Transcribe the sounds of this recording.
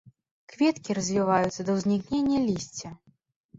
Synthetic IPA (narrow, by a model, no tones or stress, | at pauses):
kvʲɛt̪kʲiɾɐzʲvʲivajut̪sːɐd̪ɐwzʲnʲiknʲenʲːɐlʲisʲt͡sʲɐ